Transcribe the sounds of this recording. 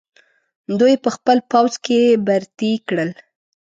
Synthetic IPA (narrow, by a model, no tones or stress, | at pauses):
d̪ujpəxpəlpawzkebaɾt̪ikɽəl